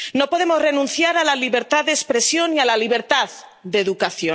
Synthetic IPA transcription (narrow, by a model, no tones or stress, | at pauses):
no̞po̞ðemo̞zre̞nũnθjaɾalaliβe̞ɾt̪aððespɾe̞sjo̞nialaliβ̞e̞ɾt̪að | d̪e̞ðukaθjo